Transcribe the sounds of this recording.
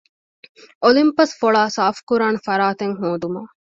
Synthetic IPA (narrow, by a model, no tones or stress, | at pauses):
ʔolimpɐsfoɭaːsaːfkuɾaːnɐfɐɾaːt̪eŋɦoːd̪umɐ